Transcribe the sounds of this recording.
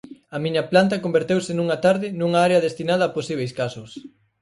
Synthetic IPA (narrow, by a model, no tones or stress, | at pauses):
ɐmiɲɐplant̪̬ɐkombeɾt̪ewsɪnuŋɐt̪aɾðɪnuŋɐaɾeɐðest̪inað̞ɐːposiβ̞ejskasʊs